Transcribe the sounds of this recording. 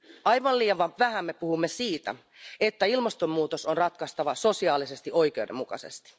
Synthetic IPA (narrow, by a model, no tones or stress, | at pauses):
ʔɑjʋɑliːɑʋɑʋæɦæmːe̞puhumːesiːt̪æ̰ | et̪ːæilmɑst̪ommuːt̪osonrɑt̪kɑst̪ɑʋɑso̞siɑːlise̞st̪iʔo̞jk̟e̞udemːukɑ̰se̞̰st̪i̥